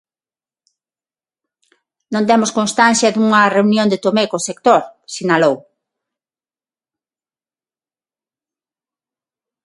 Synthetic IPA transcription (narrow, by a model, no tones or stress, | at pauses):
nõnt̪ɛmoskõnst̪an̟θjɐd̪uŋɐreunjõnd̪et̪omekosekt̪oɾsinalow